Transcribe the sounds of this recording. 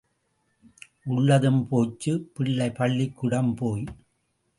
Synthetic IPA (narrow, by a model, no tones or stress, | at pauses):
ʔʊɭːɐðɯmpoːt͡ʃːɯpɪɭːɐɪpɐɭːɪkːʊɽɐmpoːj